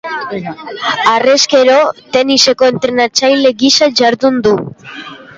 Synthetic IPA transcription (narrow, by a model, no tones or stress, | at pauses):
areske̞ɾo̞t̪e̞nise̞ko̞ent̪ɾenat͡sajle̞ɡisaʝaɾðund̪u